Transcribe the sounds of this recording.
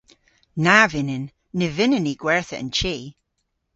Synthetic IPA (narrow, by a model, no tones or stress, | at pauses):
navɪnɪnː | ɪvɪnəniɡ̥wɛɹθəə̰̃nt͡ʃʰi